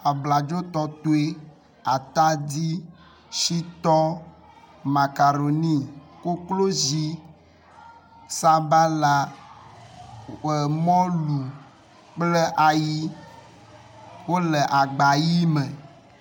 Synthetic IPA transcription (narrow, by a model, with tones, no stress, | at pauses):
a˨bla˨d͡ʒo˦t̪ɔ˦t̪o˦e˦ | a˨t̪a˦di˦ | ʃi˦t̪ɔ˦ | ma˨ka˨ɾo˨nĩ˦ko˦klo˦zi˦ | sa˦ba˦la˦ | ɛ˨mɔ̃˦lu˨ | k͡plə˦ʔa˨ji˦ | wo˦lə˨ʔa˨ɡ͡ba˨ji˦mə̃˨